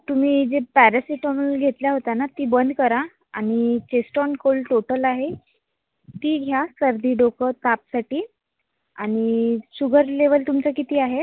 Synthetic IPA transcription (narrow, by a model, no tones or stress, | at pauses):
t̪um̤iːd͡zepæɾasiʈɔmɡʱet̪ljaɦot̪anat̪iːbənd̪ʱkəɾa | aɽ̃it͡ɕesʈɔnkolʈoʈəlaɦe | t̪iːɦjasəɾd̪ʱiːɖokət̪apsaʈiː | aɽ̃iɕuɡʱəɾleʋəlt̪umt͡sakit̪iːaɦe